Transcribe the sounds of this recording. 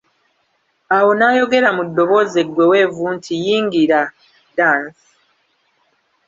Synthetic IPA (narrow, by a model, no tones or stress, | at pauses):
awo̞najo̞ɡe̞ɾamudːo̞βo̞ze̞ɡwe̞we̞ːvuːntʰijiːŋɡiɾa | daːnsi̥